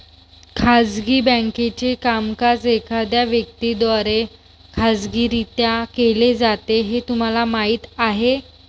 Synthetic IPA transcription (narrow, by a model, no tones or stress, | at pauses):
kʰad͡zɡiːbə̃ŋket͡ɕekamkasekʰad̪jaʋjək̚t̪id̪ʋaɾe | kʰad͡zɡiːɾit̪jakeled͡zat̪eɦet̪um̤alamaiːt̪aɦe